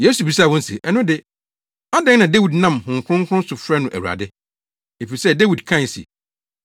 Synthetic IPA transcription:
je˦su˨bi˨sa˦˨wɔ̃˦n̩˦sḛ˨ʔɛ˨nʊ̃˦dɪ˨ | a˦dɛ̃˦nã˨de˦wi˨dnã˦˨mhʊ̃˨ŋ˨kʰʷʊ̃˦ŋkʰʊ̃˦n˦sʊ˨fɾɛ˦nʊ̃˨ʔæ̰˨wu˨ɾa̰˨dɪ˦ | e˨fi˨ɾi˨sɛ˦de˦wi˨dkʰã˦˨n˨sḭ˨

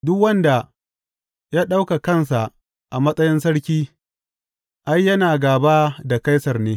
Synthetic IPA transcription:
dʊ˦kwɐ˦nda˨ | jaː˦ɗa˦wka˨kɐ˦˨nsa˨ʔ | ʔa˨mɐ˦sʼɐ˦jɪ˦nsɐ˦ɽkʲiː˦ | ʔa˦jːɐ˦naː˨ɡaː˨baː˦da˨ka˦jsɐ˨rneː˦

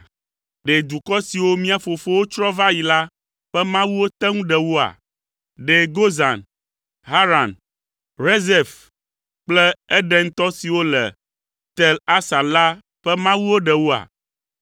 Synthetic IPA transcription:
ɖe˨d̪u˨kɔ˦si˨wo˦mĩ˦a˨fo˨fo˦wo˦t͡ʃɾɔ˦va˦ji˨la˦ | ɸɛ˦mã˦wu˦wo˦t̪ɛ˦ŋũ˦ɖɛ˨wu˦a̰˨ | ɖe˨ɡo˦za˨n | ɦa˦ɾa˨n | ɾe˦zɛ˨f | k͡plɛ˦ɛ˦ɖɛ˦ŋ̩˦t̪ɔ˦si˨wo˦lɛ̰˨ | t̪ɛ˨la˦sa˨la˦ | ɸɛ˦mã˦wu˦wo˦ɖɛ˨wu˦a̰˨

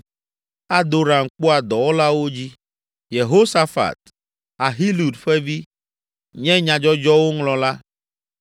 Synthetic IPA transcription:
a˦d̪o˨ɾa˨ŋ̩˨k͡po˦a˨d̪ɔ˨wo˦la˦wo˦d͡ʑi˦ | je˨ɦo˦sa˦fa̰˨t̪̚ | a˨ɦi˦lu˨dɸɛ˦vi˦ | ɲɛ̃˦ɲã˨d͡ʒɔ˦d͡ʒɔ˦wo˦ŋlɔ̃˨la˦

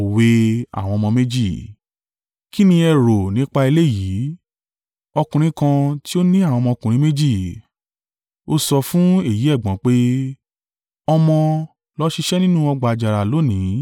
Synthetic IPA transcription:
we˧a̰˦˨w̃ɔ̃˧mɔ̃˧me˦d͡ʒi˦˨ | ki˦nĩ˧ɛ˧˨ɾo˨nĩ˦k͡pa˧i˧le˦˨jiː˨˦ | ɔ˧kũ˧ɾ̃ĩ˦kã˧ti˦o˦nĩ˦a˦˨w̃ɔ̃˧mɔ̃˧kũ˨ɾ̃ĩ˨˦me˦d͡ʒi˦˨ | o˧sɔ˧fũ˦e˦˨ji˨˦ɛ˦˨ɡ͡bɔ̃˨˦k͡pe˦ | ɔ˧mɔ̃˧ | lɔ˦ʃi˧ʃɛ˦nĩ˦nũ˦ɔ˧ɡ͡ba˨d͡ʒa˨ɾa˨lo˨˦nĩ˨˦

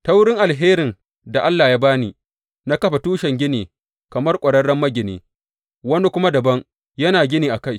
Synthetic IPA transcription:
ta˦wɽɪ˦ŋʔa˨lɦeː˦ɾɪ˨n | da˨ʔa˦lːaː˨jaː˦baː˦niː˨ | na˦kɐ˦ɸa˨tuː˦ʃɛ˨ŋɡʲɪ˦niː˨ | kɐ˨mɐ˦rkʷʼɐ˨ɽɐ˦ɽɐ˦mːɐ˦ɡʲɪ˨nḛː˨ | wɐ˦ne˦kʷʊ˦ma˦dɐ˨bɐ˦ŋ | jɐ˦naː˨ɡʲɪ˦niː˨ʔa˨ka˦˨j

